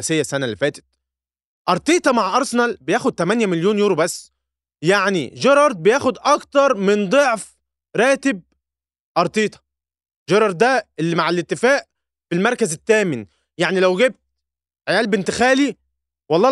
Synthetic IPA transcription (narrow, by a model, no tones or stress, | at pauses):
sejːæsænælːefæːt̪e̥t̪̚ | ʔɑɾˤt̪ˤiːt̪ˤɑmaʕʔɑɾˤsenɑlbejæːxod̪̚t̪æmænjæmeljoːnjuːɾobæsː | jaʕnḭʒeɾˤɑɾˤd̪̚bejæːxod̪ʔɑkt̪ɑɾˤmend̪ˤoʕf | ɾˤɑːt̪eb̚ | ʔɑɾˤt̪ˤiːt̪ˤɑ̥ | ʒɑɾˤɑɾˤd̪æʔelːimaʕelet̪ːɪfæːʔ | belmɑɾˤkæzet̪ːæːmɪn | jaʕnilæwɡeb̚t̪̚ | ʕejæːlbent̪exæːli | wɑlˤːɑː